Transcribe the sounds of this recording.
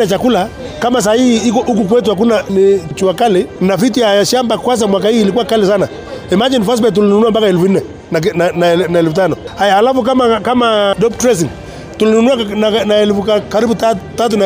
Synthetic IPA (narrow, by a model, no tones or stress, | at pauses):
at͡ʃakula | kamas̬ahihiikɔʔuk̬uk̬wɛt̬uhak̬unanit͡ʃuakalinafit̬ijajaʃambakwas̬amwak̬ahiːlikuwakalisana | imad͡ʒinfas̬t̬bɛt̬ulinunuambakaɛlfun̩nɛ | nanananaɛlfutanɔhajaːlafuk̬amakamadɔp̚tɾɛs̬iŋ | tulinunuananaɛlfukakaɾibutatat̬una